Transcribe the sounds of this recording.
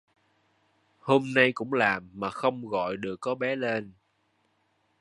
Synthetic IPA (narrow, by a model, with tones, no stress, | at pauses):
ho˧mna˧jkʊ̰˧˥ŋ͡mlaː˨˩mːaː˨˩xə˧wŋ͡mɣɔ̰˧˨jɗɨ˨˩əkːɔ˨˦ɓɛ˨˦le˧n